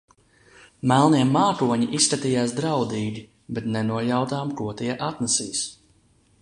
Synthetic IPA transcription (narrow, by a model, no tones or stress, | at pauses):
mælˠniɛmːaːkuɔɲiʔiskat̪iːjaːs̬d̪ɾawd̪iːɡʲi | bɛt̪nɛnuɔʎawt̪aːmkuɔt̪iɛʔat̪nasiːs